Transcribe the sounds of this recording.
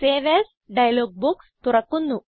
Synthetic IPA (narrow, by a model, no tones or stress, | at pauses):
seːʋes | ɖɐjɐloɡ̚buk | t̪uɾɐkːund̪u